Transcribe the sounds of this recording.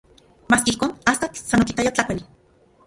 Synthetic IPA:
maːskeihkoːnast̪asanːokit̪ajat͡ɬakʷali

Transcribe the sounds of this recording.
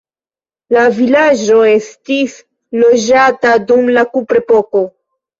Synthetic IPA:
lavilad͡ʒo̞e̞stis | lo̞d͡ʒatadumlakupɾepo̞ko̞

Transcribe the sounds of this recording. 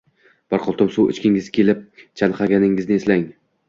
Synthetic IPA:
b̥ɒɾqʰɒlˠt̪ʊmsʊwɪ̰t͡ʃkʲɪŋɪzkʲʰe̞lɪp̚t͡ʃʰanqʰɑɡʲanɪŋːɪznɪeslaŋ

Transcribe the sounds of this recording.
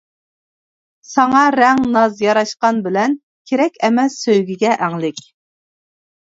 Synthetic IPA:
sɑŋɑɾɛŋnɑzjɑɾɑʃqɑnbɪlɛn | kʲʰeɾɛkʲɛmɛsːøjɡʲiɡʲɛʔæŋlɪkʲ

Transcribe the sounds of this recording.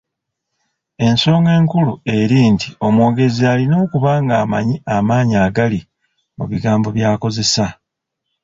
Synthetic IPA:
e̞nso̞ːŋe̞ːŋkulue̞ɾiːntʰio̞mwo̞ːɡe̞zialino̞ːkuβaːŋɡaːmaɲiamaːɲiaːɡali | muβiɡaːmbo̞βjaːko̞ze̞sa

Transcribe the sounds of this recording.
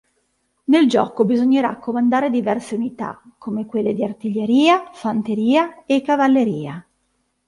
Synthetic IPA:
neld͡ʒɔ̰ːkobizoɲːeɾa̰kːomand̪aːɾed̪ivɛrseunit̪a̰kːomekwelːed̪iart̪iʎːeɾiːafant̪eɾiːaekːavalːeɾiːa

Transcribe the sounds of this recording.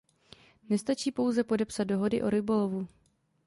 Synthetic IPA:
nɛst̪at͡ʃiːpo̞wzɛpo̞dɛpsat̪̚do̞ɦo̞dɪʔo̞ɾɪbo̞lovu

